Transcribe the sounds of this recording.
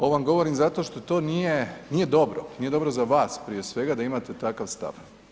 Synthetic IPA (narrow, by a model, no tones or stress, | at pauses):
oʋamɡo̞ʋo̞ɾimzat̪o̞ʃt̪o̞t̪o̞ːnije̞nije̞d̪o̞bɾonije̞d̪o̞bɾo̞zaʋaːspɾije̞sʋe̞ɡad̪aimat̪e̞t̪akaʋst̪a̰ʋ